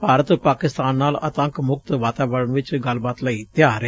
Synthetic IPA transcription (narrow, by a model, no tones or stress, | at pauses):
paːɾət̪paːkɪst̪aːnːaːlət̪ə̃ŋkmʊk̚t̪ʋaːt̪aːʋəɽəɳʋɪt͡ʃɡəlbaːt̪ləiːt̪ɪjaːɾe